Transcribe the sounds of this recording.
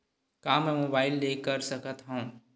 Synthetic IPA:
kaːmɛ̃ːmoːbaːɪlːeːkəɾsɐkət̪ɦaũː

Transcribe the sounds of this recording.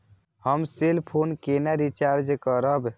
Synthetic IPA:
həmselpʰonkenaɾit͡ʃaɾd͡ʒkəɾəb

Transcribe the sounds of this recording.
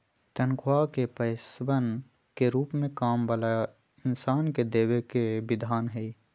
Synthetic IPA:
t̪ənkʰwakepəɪsbən | keɾuːpmẽkaːmbəlaːja | ɪnsaːnked̪eːwekebɪd̪ʱaːnɦɛi

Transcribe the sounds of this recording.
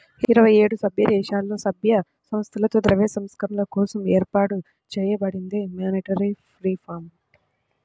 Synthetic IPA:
iiɾɐʋɐjeːɽusɐbʱjɐd̪ɛːʃaːlːo̞ːsɐbʱjɐ | sɐmst̪ʰɐlɐt̪oːd̪ɾɐʋesɐmskɐɾɐnlɐkɔːsɐmeːɾpaːʈu | t͡ʃɛːjɐbɐɽind̪imjoːniʈɐɾipɾiːpʰaːɾm

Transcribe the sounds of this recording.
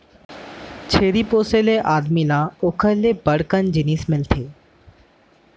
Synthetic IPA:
t͡ʃʰeːɾipoːseleʔaːd̪milãːʊkʰəlebəɽkənd͡ʒɪniːsmɪlt̪ʰeː

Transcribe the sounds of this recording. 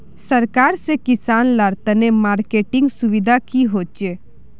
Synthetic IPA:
səɾkaːɾsekɪsaːnlaɾt̪ənemaːɾkeːʈɪ̃ŋɡsʊʋɪd̪ʱakiɦoːt͡ʃe

